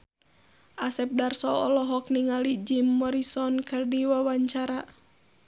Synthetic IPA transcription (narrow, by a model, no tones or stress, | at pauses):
ʔasɛp̚darsɔɔlɔɦɔkniŋalid͡ʒimːɔɾisɔnkɨrdiwawaɲt͡ʃaɾa